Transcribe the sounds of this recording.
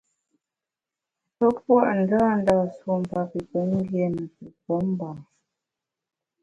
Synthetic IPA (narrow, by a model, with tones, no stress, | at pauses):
pə˦p̚wa˦ʔn̩˨daː˦n̩˦da˨swo˨m̩˨pa˨pi˨pə˨˦ŋ̩˦ɡjɛ˦˨nə˨tu˨pɔ˨˦m˦ba˨